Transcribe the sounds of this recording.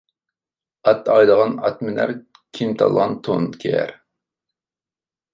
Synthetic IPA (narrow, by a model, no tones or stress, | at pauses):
ɑt̪ɑjləʁɑnɑt̪mɪnæ̰ɾ | kʲʰimt̪ʰɑ̰lˠʁɑnt̪ʰonkʲʰɛ̰ɾ